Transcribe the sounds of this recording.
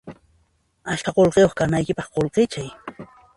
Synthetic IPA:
aʃkaqolqejoχkanajkɪpɑχqolqet͡ʃaj

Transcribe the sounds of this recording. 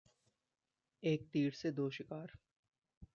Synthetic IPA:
eːk̚t̪iːɽsed̪oːʃɪkaːɾ

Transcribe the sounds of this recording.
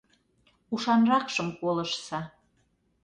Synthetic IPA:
uʃɑnrɑkʃəmkoləʃsɑ

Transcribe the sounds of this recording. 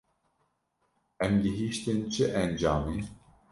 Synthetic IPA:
ɛmd̪ɨɦiʃt̪ɨnt͡ʃʰɨʔɛnd͡ʒaːmi

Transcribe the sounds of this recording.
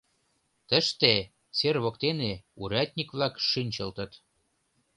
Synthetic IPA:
t̪əʃt̪e | t͡serβokt̪eneuɾæt̪ʲnʲikβlɑkʃynʲt͡ɕə̆lt̪ə̆t̪

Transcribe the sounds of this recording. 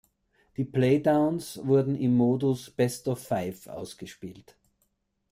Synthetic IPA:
d̥iːpleɪdaʊnsvʊɐdn̩ɪmːoːdʊsb̥ɛstɔfːaɪfʔa̰ʊsɡ̥əʃpiːlt

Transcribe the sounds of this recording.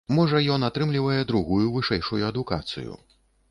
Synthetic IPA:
mɔʐɐjɔnat̪ɾɨmlʲivɐjɛd̪ɾuɣujuvɨʂɛjʂujuɐd̪uka̰t̪sɨ̰jṵ

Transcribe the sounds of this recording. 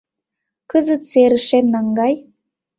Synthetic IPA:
kəzət̪seɾə̆ʃemnɑŋɡɑj

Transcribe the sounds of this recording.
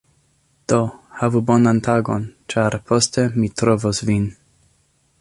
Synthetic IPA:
d̪̥ohavubo̞nantaɡont͡ʃaɾpʰo̞stemitɾovosvin

